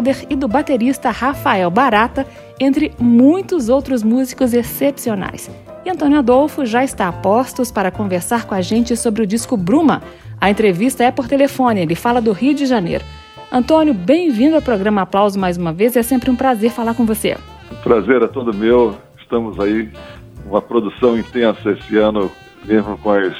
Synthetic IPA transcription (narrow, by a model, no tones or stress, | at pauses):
d̪eɾɪd̪ʊbat̪eɾist̪ɐhafaɛwbaɾat̪ɐ | ẽnt̪ɾɪmũj̃t̪ʊzowt̪ɾʊzmuzikʊzesepsiona̰js | ɪɐ̃nt̪õnjʊad̪owfʊʒaɪst̪apɔst̪ʊspaɾɐkõveɾsaɾkõaʒẽnt͡ʃɪsobɾɪʊd͡ʒiskʊbɾũmɐ | ɐẽnt̪ɾevist̪ɐɛpoɾt̪elefõnɪelɪfalɐd̪ʊhiʊd͡ʒɪʒanḛjɾʊ | ɐ̃nt̪õnjʊbẽj̃vĩnd̪ʊawpɾoɡɾɐ̃mɐaplawzʊmajzũmɐvezɛsẽmpɾɪũpɾazeɾfalaɾkõvosḛ | ũpɾazeɾɛt̪od̪ʊmew | ɪst̪ɐ̃mʊzai | ũmɐpɾod̪usɐ̃w̃ĩt̪ẽsɐesɪɐ̃nʊ | mezmʊkõɐs